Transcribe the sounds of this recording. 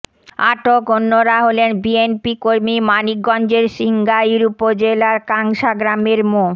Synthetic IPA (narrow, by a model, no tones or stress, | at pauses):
aʈokonːoɾaɦolenbienpikoɾmimanik̚ɡɔnd͡ʑeɾʃiŋɡajɾupod͡ʑelaɾkaŋʃaɡɾameɾmo